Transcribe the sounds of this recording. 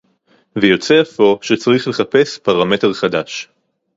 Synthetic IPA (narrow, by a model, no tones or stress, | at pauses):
vejo̞t͡seafo̞ʃet͡saʁiχle̞χape̞spaʁame̞te̞ʁχadaʃ